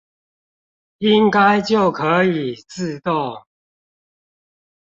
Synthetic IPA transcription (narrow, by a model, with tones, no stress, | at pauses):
i˦ŋka˦ɪt͡ɕjo˥˨˩ʊkʰə˨˦i˨˩t͡sɹ̩˥˧t̪o˥˨